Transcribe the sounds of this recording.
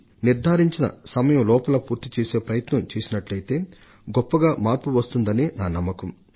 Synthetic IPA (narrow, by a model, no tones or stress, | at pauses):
niɾd̪ʱaːɾiɲt͡ʃinɐ̰sɐmɐjɐmlɔːpɐlɐpuːɾt̪it͡ʃeːse̞ːpɾɐjɐt̪nɐmt͡ʃeːsinɐʈlɐjt̪e̞ː | ɡɔpːɐɡaːmaːɾpuʋɐst̪und̪ɐneːnaːnɐmːɐkɐm